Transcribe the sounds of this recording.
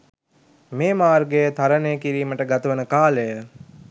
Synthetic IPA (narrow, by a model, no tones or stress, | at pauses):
meːmaːrɡejət̪aɾənejəkiɾiːməʈəɡat̪əʋənəkaːləjə